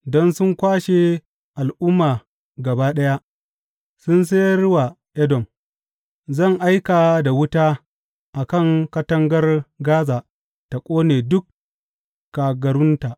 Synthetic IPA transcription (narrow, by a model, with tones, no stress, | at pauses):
dɔ˦nsʊ˦ŋkʷaː˦ʃe˨ | ʔa˨lʔʊ˦mːaː˨ | ɡɐ˨baː˦ɗɐ˦ja˦ʔ | sʊ˦ns̬e˦jɾʊ˦waː˨ | ʔɛ˦dɔ˨m | zɐ˦˨ŋʔa˦jkaː˨da˨wʊ˦taː˦ | ʔa˨kɐ˦˨ŋkɐ˦tɐ˦ŋɡɐ˦rɡaː˦zaː˨ | ta˨kʷʼoː˦neː˨dʊ˦kː | aː˨ɡɐ˨ɾʊ˦ntaː˨ʔ